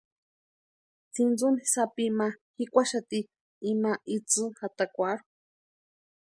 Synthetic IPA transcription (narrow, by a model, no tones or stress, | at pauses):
t͡sind͡zunisapimahikʷaʃat̪i | imaʔit͡sɨxat̪akʷaɾu̥